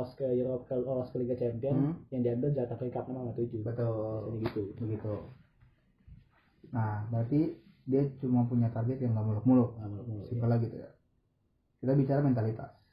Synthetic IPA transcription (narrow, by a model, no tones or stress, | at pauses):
askəiɾɔkəoɾaskəliɡat͡ʃɛmpiɔnjaŋdianbəld͡ʒat̪apliŋkap̪̚namaŋat̪uit̪ubət̪ʊlniɡit̪ubəɡit̪u | nahbəɾat̪i | diat͡ʃumapuɲat̪arɡɛt̪jaŋɡaʔmulʊk̚mulʊk̚ŋɡamulʊk̚ulsimpəlaɡit̪ṵja̰ | kit̪abit͡ʃaɾamɛnt̪alit̪a̰s